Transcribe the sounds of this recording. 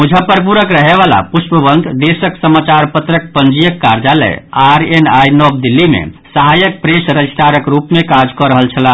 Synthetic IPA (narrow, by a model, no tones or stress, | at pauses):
mud͡ʒʱəpəɾp̬uɾəkɾəɦeβala̰puspəbənd̪d̪esəksəmat͡ʃaɾpət̪ɾəkpənd͡ʒijəkːaɾd͡ʒalɛ̰aɾenajnɔb̚d̪ilːimḛsəɦajək̚pɾesɾəd͡ʒisʈ̪aɾəkɾupmekad͡ʒkɔɾəɦəlt͡ʃʰəla